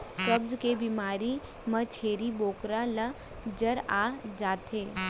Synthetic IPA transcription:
kɐbzkebiːmaːɾi | mɐt͡ʃʰeːɾiboːkɾala | d͡ʒɐɾaːd͡ʒaːt̪eː

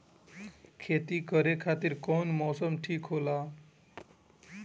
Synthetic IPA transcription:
kʰet̪ikəɾekʰat̪iɾkɔnmɔsəmʈʰiːkɦola

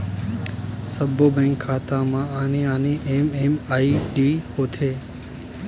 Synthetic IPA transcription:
səbʱoːbɛ̃ːŋkʰːaːt̪ãːmãːaːnẽːaːnẽːʔeːmeːmaːiːɖiːhoːt̪ʰeː

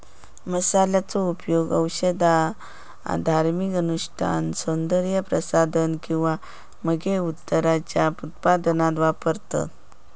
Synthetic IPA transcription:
məsaljat͡sɔupjoɡəwɕəd̪a | a̰d̪ʱaɾmikənuʂʈʰa̰nsond̪əɾjəpɾəsad̪ʱənkĩw̃ʋa | məɡeut̪ːəɾat͡ɕjaput̪̚pad̪ənat̪ʋapəɾt̪ə̰

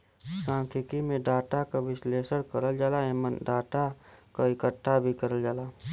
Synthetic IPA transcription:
sãːŋkʰɪkimẽɖaːʈakaʋɪsleːsəɽkəɾəld͡ʒaːlaeːmənɖaːʈakaɪkəʈʰːabʱikəɾəld͡ʒaːlaː

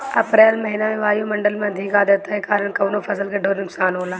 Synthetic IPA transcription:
ɐpɾɛːlmɐɦɪnamẽʋaːjumɐ̃ɳɖəlmẽɐd̪ʱɪkaːd̪ɐt̪aɦekaːɾəɳ̃kɐʋnopʰɐsəlkaɖʱoːɾnʊksaːnɦoːlaː

